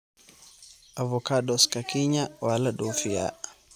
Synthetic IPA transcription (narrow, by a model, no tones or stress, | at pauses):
avɔkaɗɔskakiɲawalaɗɔfia̰